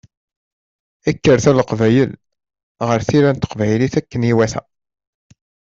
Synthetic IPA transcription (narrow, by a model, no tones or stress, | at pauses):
ækːəɾθæləqvæjəl | ʁəɾθiɾænt̪ːə̥qvæjliθækːəniwæθæ̰